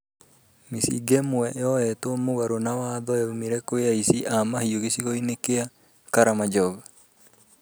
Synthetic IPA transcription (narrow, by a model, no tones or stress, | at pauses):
misḭɡɛmoɛjɔɛtomoɣaɾonawaðɔaumiɾɛkoeaisiʔamahioɣesiɣɔinekea | kaɾamad͡ʒɔɣa